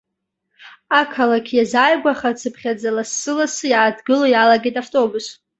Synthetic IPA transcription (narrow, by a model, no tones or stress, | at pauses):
akʰalakʲʰjazaːjɡʷaχat͡sʰɨpʰχʲad͡zalasːɨlasɨjaːdɡɨlojalaɡetʼaftʼo̞bus